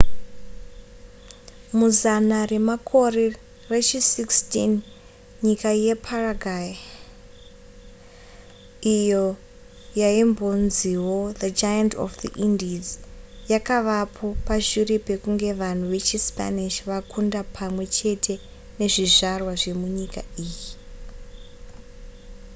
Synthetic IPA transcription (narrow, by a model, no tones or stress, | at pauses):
muzanare̞makʰo̞re | ret͡ʃisikstḭn | ɲikaje̞pʰaraɡʱaji | ijo | jaimbo̞nziwoðad͡ʒajanto̰fðḭʔindizjakaʋapʰo̞paʒiɾipe̞kuŋɡe̞ʋan̤uʋe̞t͡ʃispa̰niʃʋakʰundapʰamwe̞t͡ʃe̞tʰe̞ | ne̞ʐiʐarwaʐe̞muɲika̰iːji